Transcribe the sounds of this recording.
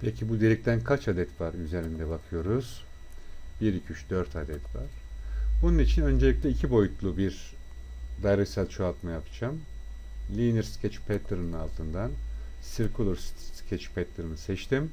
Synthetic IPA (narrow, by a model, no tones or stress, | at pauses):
pʰɛcʰibud̪elʲic̚t̪ʰænkʰat͡ʃad̪ɛt̪vaɾyze̞ɾind̪ɛbakʰɯjo̞ɾuz̥ | b̥iɾicʰyʃd̪øɾt̪ʰad̪ɛt̪ʰva̰ɾ̥bununit͡ʃʰinø̞nd͡ʒelʲic̚lʲɛicʰibo̞jut̪lˠubiɾ | d̪ajɾɯsalʲˠt͡ʃʰoalˠt̪majapʰɯ̥d͡ʒam | lʲiniɾscʰɛt͡ʃpʰɛt̪ʰɯɾɯnɯnalˠt̪ʰɯnd̪ansiɾkʰulˠuɾsscʰɛt͡ʃpʰɛt̪liɾɯnɯsɛt͡ʃt̪ʰim